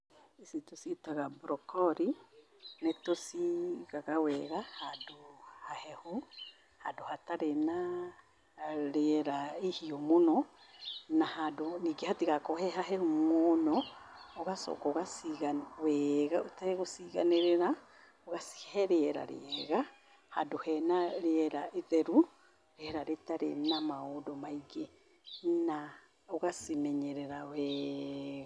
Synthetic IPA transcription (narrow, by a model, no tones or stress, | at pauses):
esitositaɣabɾɔkɔɾi | netosiɣaɣawɛɣahadohahɛhu | hadohataɾena | ɾeɾaehiɔmonɔ | nahadoniɡehatiɣakɔhɛɦaɦɛhumonɔoɣasɔ̰kɔoɣasiɣawɛɣaotaɾeɣosiɣa̰neɾeɾa | oɣasi̥hɛɾeɛɾa̰ɾḛɛɣa | hadohɛnaɾeɛɾaʔeðɛɾu | ɾeɛɾaɾetaɾḛnamaodɔmaiɡe | na | oɣasimɛɲɛɾɛɾawɛ | ɣa